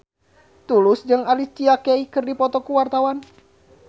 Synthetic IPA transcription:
t̪ulʊsd͡ʒɨŋalit͡ʃiakeikɨrdipɔt̪ɔkuwart̪awan

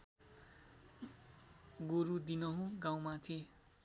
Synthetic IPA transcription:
ɡoɾud̪inʌɦũɡaw̃mat̪ʰi

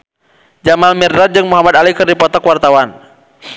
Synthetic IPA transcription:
d͡ʒamalmirdat̪̚d͡ʒɨŋmuɦamad̪alikɨrdipɔt̪ɔkwart̪awan

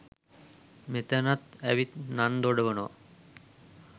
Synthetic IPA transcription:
met̪ænat̪æʋit̪nand̪oɖeʋənoʋa̰

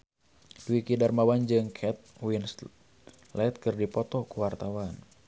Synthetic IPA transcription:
d̥uikidarmawand͡ʒɨŋkʰɛt̪̚wins | lɛt̪̚kɨrdipɔt̪ɔkuwart̪awan

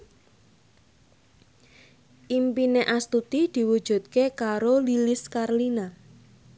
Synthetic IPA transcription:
ʔimpineʔast̪ut̪id̪̥i̤wud̥ʒ̥ṳt̪̚kekaɾolilɪskarlina

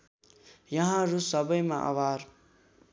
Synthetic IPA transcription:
jʌɦãɾusʌbʌjmãʔa̰ʋaːɾ

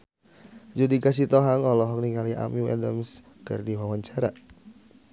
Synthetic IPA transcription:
d͡ʒudikas̬it̪ɔɦaŋɔlɔɦɔk̚niŋaliʔa̰miwɛ̰dəms | kɨ̰rdiwawaɲt͡ʃaɾa

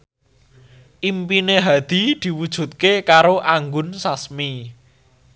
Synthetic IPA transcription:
ʔimpineɦad̪̥i̤d̪̥i̤wud̥ʒ̥ṳt̪̚kekaɾoʔaŋɡʊnsasmi

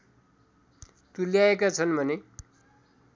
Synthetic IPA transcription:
t̪uljaekat͡sʰʌnbʱʌne

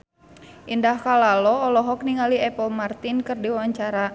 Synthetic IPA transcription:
ʔindahkalalɔːlɔɦɔk̚niŋaliɛpəlmart̪inkɨrdiwawaɲt͡ʃaɾa

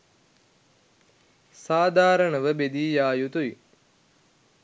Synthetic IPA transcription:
saːd̪ʱaːɾəɳəʋəbed̪iːjaːjut̪uʋi

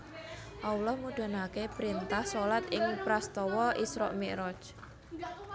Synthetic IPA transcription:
ʔaulɔhmuɖ̪̥a̤nakepɾint̪ahsolat̪ɪŋpɾast̪ɔwɔʔisɾɔ̰ʔmɛʔɾɔ̥t͡ʃ

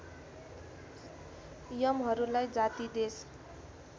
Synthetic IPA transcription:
jʌmɦʌɾulajd͡zat̪id̪es

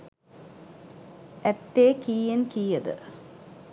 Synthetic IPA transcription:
et̪ːeːkiːjɐnkiːjɐðɨ̰

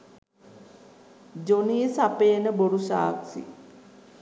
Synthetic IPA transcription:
d͡ʒoniːsapenəboɾusa̰ːksḭ

